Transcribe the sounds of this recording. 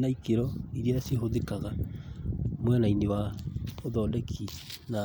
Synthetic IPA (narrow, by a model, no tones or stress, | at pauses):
naikeɾɔiɾiaseɦoðekaɣa | mwɛnainewaoðɔlɛkʰina